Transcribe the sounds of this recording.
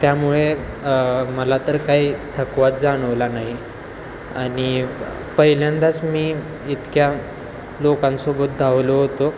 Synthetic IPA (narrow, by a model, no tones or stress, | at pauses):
t̪jamuɭe | məlat̪əɾkaɦiːt̪ʰəkʋat̪̚d͡zaɽ̃əʋlanaɦi | aɽ̃i | pəɦiljand̪at͡smiː | it̪kja | lokãnsobət̪̚d̪ʱaʋloɦot̪o